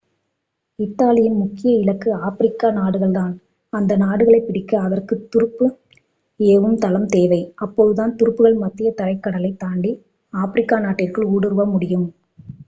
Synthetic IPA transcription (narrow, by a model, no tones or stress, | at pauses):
ɪt̪ːaːlɪjɐnmʊkːɪjɐɪlɐkːɯaːfɪɾɪkːaːnaːɽɯɣɐɭt̪aːn | ɐnd̪ɐnaːɽɯɣɐɭɐɪpːɪɽɪkːɐːðɐrkɯt̪ːʊɾɯpːɯ | eːʋɯmt̪ɐlɐmt̪eːʋɐɪʔɐpːoːðɯðaːnt̪ʊɾɯpːɯɣɐɭmɐt̪ːɪjɐt̪ɐɻɐɪkːɐɽɐlɐɪt̪aːɳɖi | aːfɪɾɪkːaːnaːʈːɪrkɐɭuːɽɯɾɯʋɐmʊɽɪjɯm